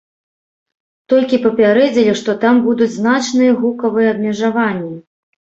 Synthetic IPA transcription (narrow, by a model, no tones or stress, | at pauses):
t̪ɔlʲkʲipɐpʲaɾɛd͡zʲɪlʲiʂt̪ɔt̪ambud̪ud͡zʲznat͡ʂnɨjɐɣukɐvɨjɛɐd̪̚mʲɛʐavanʲːi